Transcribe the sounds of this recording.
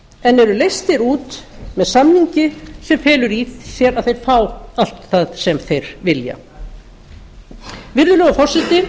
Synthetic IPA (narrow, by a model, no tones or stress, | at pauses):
ɛnːɛɾʏlejst̪ɪɾuːt̪ | mɛðsamniɲcɪsɛmfɛːlʏɾiθsjɛɾaðθejɾ̥faːwal̥t̪θaðsɛmθejɾ̥vɪlja̰ | vɪɾðʏlœɣafɔr̥sɛt̪ɪ